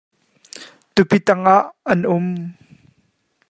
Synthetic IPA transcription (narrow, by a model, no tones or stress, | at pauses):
t̪upit̪ɐŋʔaʔɐnʔʊm